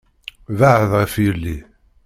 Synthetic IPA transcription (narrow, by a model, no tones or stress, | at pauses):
vaʕəðʁəfjəlːi